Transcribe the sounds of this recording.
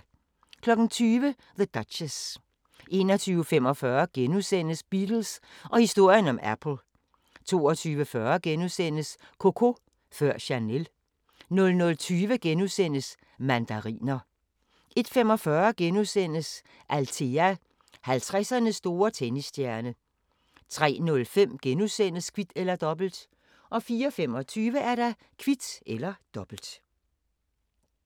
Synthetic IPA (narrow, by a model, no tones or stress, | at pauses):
kʰlɒ̽ɡ̥n̩t͡sʰyːʋə | ðəd̥ɑd̥ɕəs | ʔe̝ːnɒt͡sʰyːʊfem̰ɒ̽fɶɐɡ̥enusen̰əsb̥id̥l̩sʔɒ̽hisd̥o̝ɐ̰jənɒ̽mæpʰl̩ˠ | t͡sʰo̝̰ːɒt͡sʰyːʋəfɶːɐɡ̥enusen̰əs | kʰo̝kʰo̝ | fɶɐ̰ɕænel | nɔ̽lnɔ̽lt͡sʰyːʋəɡ̥enusen̰əs | mænd̥æʁḭːnɐ | ʔe̝d̥femɒ̽fɶɐɡ̥enuðˠsen̰əs | ʔælt͡sʰe̝æ | hælt͡sʰʁɛsɐnəsːd̥o̝ːɐt͡sʰenisd̥jæɐnə | t͡sʰʁɛ̰ːnɔ̽lfem̰ɡ̥enusen̰əskʰʋid̥elɐd̥ɒ̽b̥l̩d̥ | ʔɒ̽fiːɒfem̰ɒ̽t͡sʰyːʋəæɐɾɑ̈ | kʰʋid̥ʔelɐd̥ɒ̽b̥l̩d̥